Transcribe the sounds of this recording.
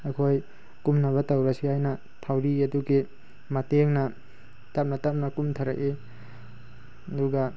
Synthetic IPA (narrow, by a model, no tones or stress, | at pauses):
ɐkʰoj | kumnɐβɐtawɾasiajnɐ | tʰawɾiɐduɡi | mateŋnɐ | tap̚nɐtap̚nɐkumtʰaɾa̰ʔe | ɐduɡa